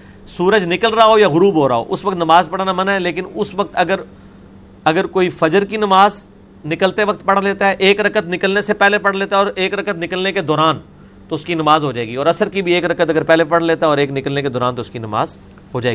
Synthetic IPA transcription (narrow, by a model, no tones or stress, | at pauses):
suːɾəd͡ʒnɪkəlɾaɦaɦojaɣʊɾuːbɦoːɾaɦo̰ʔʊsʋɐkt̪nɐmaːzpɐɽ̤aːnamɐnɦɛleːk̬ɪnʊsʋɐk̚t̪ɐɡəɾ | ɐɡəɾkoːifɐd͡ʒəɾkinɐmaːz | nɪkəlt̪eʋɐk̚t̪̚pɐɽ̤leːt̪aɦɛʔeːkɾɐkət̪nɪkəlnesepɛːlepɐɽ̤leːt̪aɛɔːɾeːkɾɐkət̪nɪkəlneked̪ɔːɾaːn | t̪oʊskinɐmaːzɦod͡ʒaːeːɡiɔːɾɐsəɾkibʱieːkɾɐkət̪ɐɡəɾpɛːlepɐɽ̤leːt̪aɛɔːɾeːknɪkəlneked̪ɔːɾaːnt̪oʊskinɐma̰ːz | ɦod͡ʒaːḛːɡi